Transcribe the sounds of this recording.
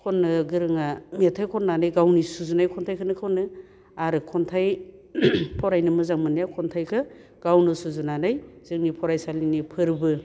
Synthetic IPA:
kʰɔnːɯɡɯɾɯŋametʰajkʰɔnːanajɡawnisuzunajkʰɔntʰajkʰɯnɯkʰonɯ | aɾɯkʰɔntʰaj | pʰɔɾajnɯmɯzaŋmɯnajakʰɔntʰajkʰɯ | ɡ̥awnɯsuzunanajz̥ɯŋnipʰɔɾajsalinipʰɯɾbɯ

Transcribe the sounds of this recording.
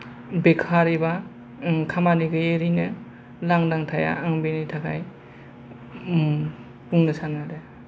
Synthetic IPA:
bekʰaɾiba | kʰamaniɡɯjeɾinɯ | laŋdaŋtʰaja̰aŋbenajtʰakʰaj | puŋnɯsanade

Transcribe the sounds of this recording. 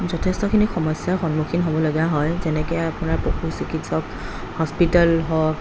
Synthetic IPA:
zɔtʰɛstɔkʰinixɔmɔsjaxɔnmukʰinɦobɔloɡiaɦɔjzɛnɛkɔapʊnaɹpokusikʰitsɔk | hɔspitalɦɔk

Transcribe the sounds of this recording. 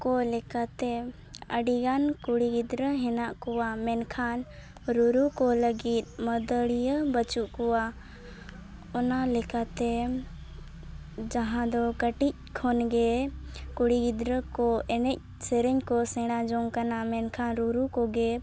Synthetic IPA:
kɔlɛkat̪ɛ | əɖiɡankuɽiɡid̪ɾəɦɛnaʔkɔwamɛnkʰan | ɾuɾukɔləɡit̪̚məd̪əɽijəbət͡ʃuʔkɔwa | ɔnalɛkat̪ɛ | d͡ʒəɦãd̪ɔkəʈic̚kʰɔnɡekuɽiɡid̪ɾəkɔɛnɛc̚ | sɛɾɛɲkɔsɛɽ̃ad͡ʒɔŋɡkanamɛnkʰanɾuɾukɔɡe

